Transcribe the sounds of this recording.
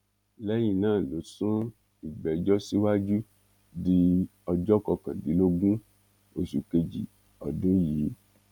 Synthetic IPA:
lɛ˦j̃ĩ˧˨nãː˦˨lo˨˦sũ˦ | i˨ɡ͡bɛ˨d͡ʒɔ˦si˦wa˦d͡ʒu˦ | di˧ɔ˧d͡ʒɔ˦kɔ˧kã˨di˨˦lo˦ɡũ˦ | o˧su˨ke˧d͡ʒi˨ | ɔ̰˨dũ˦jiː˨˦

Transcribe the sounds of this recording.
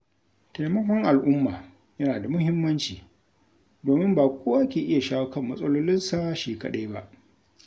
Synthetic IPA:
ta˨jmɐ˦kʷɔ˦ŋʔa˨lʔʊ˦mːaː˨ | jɐ˦naː˨da˨mʊ˦hɪ˦mːɐ˦nt͡ʃiː˨ | doː˨mɪ˦mbaː˨kʷʰoː˦ʔa˦kʲeː˨ʔɪ˦ja˨ʃaː˦wkɐ˦mːɐ˦sʼɐ˦loː˦lɪ˦nsa˦ʃeː˨kɐ̰˦ɗa˦jba˦ʔ

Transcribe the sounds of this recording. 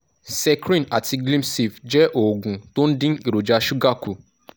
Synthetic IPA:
sɛ˦kɾĩ˦na˨tʰi˧ɡlĩ˦msi˨fd͡ʒɛ˦ʔo˨ɡũ˨to˦n̩˦dɪ̃˦n̩˦i˨ɾo˨d͡ʒa˧ʃu˦ɡa˦ku˨

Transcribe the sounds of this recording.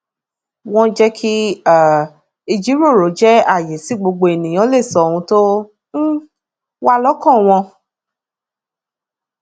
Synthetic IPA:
w̃ɔ̃˦d͡ʒɛ˦kʰi˦a˦˨ | i˧d͡ʒi˨˦ɾo˦˨ɾo˨˦d͡ʒɛ˦a˦˨je˨si˨˦ɡ͡bo˧ɡ͡bo˧e˨nĩ˨j̃ɔ̃˨˦le˦˨sɔ˧˦o˨˧hũ˧to˦ | wa˦lɔ˦kɔ̃˦˨w̃ɔ̃˧

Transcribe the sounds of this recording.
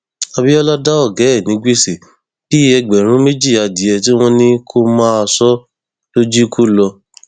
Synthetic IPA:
a˧bi˦ɔ˦la˦da˦ɔ˦˨ɡɛ˨˦ɛ˦˨nĩ˨˦ɡe˦˨si˨ | b̥i˦ɛ˧ɡ͡bɛ˨ɾ̃ũ˨˦me˦d͡ʒi˦˨a˨di˨˦ɛ˧t̬i˦w̃ɔ̃˦nĩ˦kʰo˦mãː˦˧sɔ˦ | lo˦d͡ʒi˦kʰu˦lɔ˧

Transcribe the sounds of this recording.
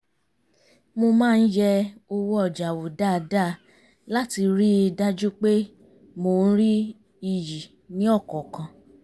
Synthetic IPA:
mo˧mãː˦˧n̩˦jɛ˦˧o˧wo˦ɔ˦˨d͡ʒa˨wo˨da˦˨˧da˦˨ | la˦ti˧ɾi˦˧da˦d͡ʒu˦k͡pe˦ | mo˧˨n̩˦ɾi˦ | i˧ji˨ | nĩ˨˦ɔ˦˨kɔ˨kã˧

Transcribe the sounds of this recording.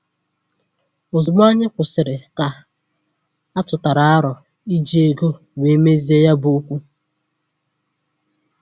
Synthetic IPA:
o˨zʊ˨m˦a˦ɲɪ˦kʷʊ˨sɪ˨ɾɪ˨ka˨ | a˦tʊ˨ta˨ɾa˨a˦ɾɔ˨ | i˦d͡ʒi˦e˨ɡo˦ | we˨˦me˦zi˦e˦ja˦bu˨u˦kʷu˦

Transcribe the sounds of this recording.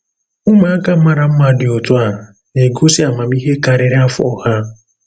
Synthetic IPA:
ʊ˦ma˨˦a˦ka˨m̩˦ma˦ɾa˨m̩˦ma˨dɪ˨o˨tʊ˦a˨ | ne˨ɡo˦si˦a˨ma˨m˦i˦ɦe˦ka˨ɾɪ˨ɾɪ˦a˦fʊ̰˦ɔ˨ha˦

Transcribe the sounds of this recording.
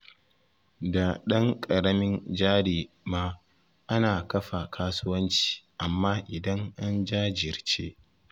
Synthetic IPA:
da˨ɗɐ˦ŋkʼɐ˨ɽɐ˦mɪ˦nd͡ʒaː˦ɽeː˨ | maː˦ | ʔa˦naː˨kɐ˦ɸa˨kʰaː˦sʊ˦wɐ˦nt͡ʃi̥ː˨ʔa˨mːaː˦ʔɪ˨dɐ˦ŋʔa˦nd͡ʒaː˦d͡ʒɪ˨ɾt͡ʃeː˦ʔ

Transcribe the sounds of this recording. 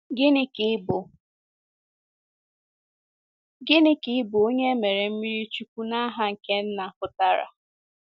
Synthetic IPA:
ɡɪ˦nɪ˦kɪ˦bʊ˨ | ɡɪ˦nɪ˦kɪ˦ɪ˦bʊ˨o˦ɲe˦me˨ɾe˨m̩˦mi˦ɾi˦t͡ʃu˦kʷu˦na˦a˦ɦa˦ŋ̩˨ke˦n̩˦na˨pʊ˨ta˦ɾa̰˨

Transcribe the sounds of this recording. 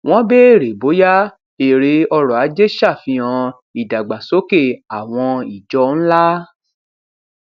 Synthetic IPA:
w̃ɔ̃˦be˦˨ɾe˨bo˨˦ja˦ | e˨ɾe˧ɔ˧ɾɔ˨a˨˦d͡ʒe˦ʃa˦˨fĩ˧ã˧ | i˨da˨ɡ͡ba˨so˨˦ke˦˨a˨w̃ɔ̃˧i˨d͡ʒɔ˧˦n̩˦la˦

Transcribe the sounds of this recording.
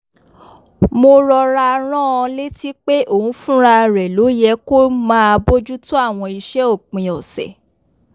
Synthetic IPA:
mo˧ɾɔ˧ɾa˧ɾ̃ã˦ɔ̃˧le˦ti˦k͡pe˦ʔo˨ũ˨˦fũ˦ɾa˧ɾɛ˨lo˨˦jɛ˧ko˦mãː˦a˧bo˦d͡ʒu˦tu˦a˦˨w̃ɔ̃˧i˧ʃɛ˨˦o˦˨k͡pĩ˨ɔ˨sɛ̰˨

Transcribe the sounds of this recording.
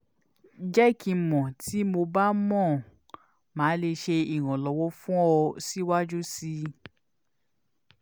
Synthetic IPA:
d͡ʒɛ˦kʰi˧mɔ̃˨tʰi˨˦mo˧ba˦mɔ̃˦˨ | mãː˨˦le˧ʃe˧i˨ɾ̃ɔ̃˨lɔ˨˧wɔ˦fũ˦ɔ˧si˦wa˦d͡ʒu˦si˧˦

